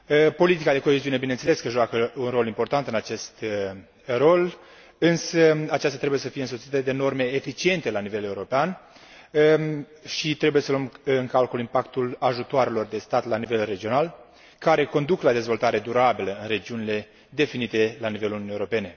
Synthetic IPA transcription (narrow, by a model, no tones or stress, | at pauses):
po̞lit̪ikad̪e̞ko̞eziune̞binent̪sele̞skəʒoakəunro̞limpo̞rt̪ant̪ɨnat͡ʃe̞st̪ | ro̞l | ɨnsəat͡ʃast̪at̪ɾebuje̞səfijeɨnso̞t̪sit̪əd̪e̞no̞rme̞ːfit͡ʃie̞nt̪e̞lanive̞le̞uɾo̞pean | ʃit̪ɾe̞buje̞səloəmɨŋkalkolimpakt̪ulaʒut̪oaɾelo̞rd̪e̞st̪at̪lanive̞lre̞d͡ʒio̞nal | kaɾe̞ko̞nd̪uklad̪e̞zvo̞lt̪aɾe̞d̪uɾabiləɨnre̞d͡ʒiunile̞ | d̪e̞finit̪e̞lanivelununijeɾope̞ne̞